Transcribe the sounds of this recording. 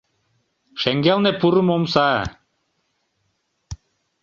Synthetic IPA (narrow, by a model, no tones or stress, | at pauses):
ʃæŋɡælˠnepuɾɯmomsa